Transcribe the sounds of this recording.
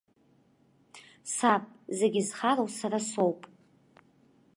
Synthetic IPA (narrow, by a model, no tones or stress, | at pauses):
sapʼzeɡʲizχaɾowsaɾasowpʼ